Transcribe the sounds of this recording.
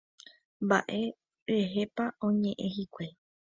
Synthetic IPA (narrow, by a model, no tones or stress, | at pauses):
mba̰ʔe̞ | eɦepaõ̞ɲẽ̞ʔẽɦikʷe